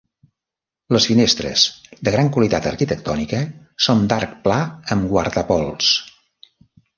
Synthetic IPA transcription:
ləsfinest̪ɾə̰z̥d̪əɣɾaŋkwəlit̪at̪ərkit̪ək̚t̪ɔnikə | sond̪ark̚plaəmɡwaɾðəpɔlˠs

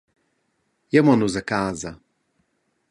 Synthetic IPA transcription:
jɛmɔnuzakaːza

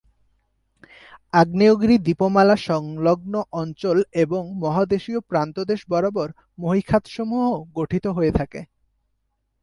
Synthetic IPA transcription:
aɡnioɡɾid̪ipomalaʃɔŋloɡ̚noʔɔnt͡ɕoleboŋmɔɦad̪eʃiopɾant̪od̪eʃbɔɾobɔɾ | moɦikʰat̪ʃomuɦoɡoʈʰit̪oɦoet̪ʰakḛ

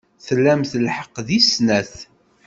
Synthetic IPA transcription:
θəlːæmθəlħə̥qːðisnæθ

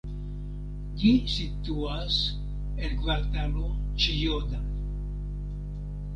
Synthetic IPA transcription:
ɟisit̪uas | elɡvaɾt̪alot͡ʃijod̪a

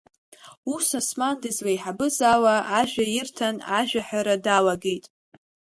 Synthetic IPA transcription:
usasmandɨzlajħabɨzawaʔaʒᶣajɪrtʰanaʒᶣaħᶣaɾadawaɡejtʼ

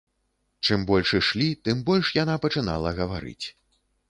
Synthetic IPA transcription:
t͡ʂɨmbɔlʲʂɨʂlʲit̪ɨmbɔlʲʂjanapɐt͡ʂɨna̰lˠɐɣɐvaɾɨ̰t͡sʲ

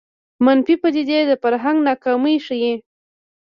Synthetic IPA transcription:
manfipəd̪id̪ed̪əfaɾɦaŋɡnɑkɑməjʂəji

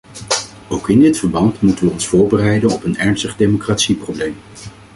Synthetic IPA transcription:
owkɪndɪtfəɹbɑntmutənʋəɔnsfʊːɹbərɛjdənɔpənɛɹnstəχdejmokraːtsiproblejm

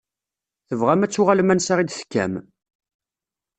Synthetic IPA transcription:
θəvʁæmæt͡sːʊʁalmænsaʁid̪θə̥kːæ̰m

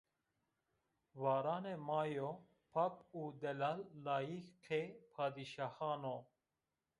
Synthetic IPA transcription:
vaːɾɑːnemɑːjo | pʰapuːd̪ɛlaːlːaːjikqʰepʰaːd̪iʃahɑːno

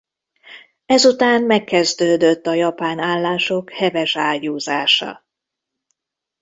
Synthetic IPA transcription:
ɛzut̪aːmmɛkːɛzd̪øːd̪øt̪ːɒjɒpaːnaːlːaːʃo̞khɛvɛʃaːjuːzaːʃɒ̰

